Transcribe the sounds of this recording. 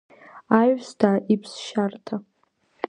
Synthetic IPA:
aɥstʰaːʔipʰsʃartʰa

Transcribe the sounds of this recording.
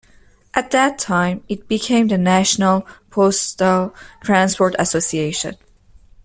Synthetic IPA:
ʔæt̪̚ðætʰːãjmit̚b̥ikʰẽj̃mðənæʃnəlpʰostətʰɹæ̃nspɔɹtæsosieʃə̰̃n

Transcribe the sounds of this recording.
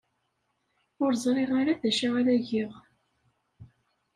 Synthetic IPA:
ʊɾzˤɾˤeʁaɾaðæʃaʁaɾæʝiʁ

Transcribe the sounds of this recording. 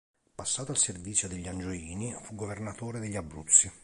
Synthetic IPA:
pasːaːt̪oalservit̪sjod̪eʎːiand͡ʒoiːnifuɡovernat̪oːɾed̪eʎːabːɾṵt̪sːi

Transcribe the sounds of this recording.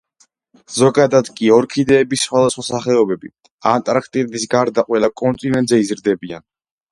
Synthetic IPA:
z̥ɔɡad̪ad̪kʼiɔɾkʰid̪ɛːbisχwad̪asχwasaχɛɔbɛbi | ant̪ʼɾakʰt̪ʼiɾɛd̪isɡaɾd̪aqʼwɛlakʼɔnt̪ʼinɛnt̪zɛizɾd̪ɛbian

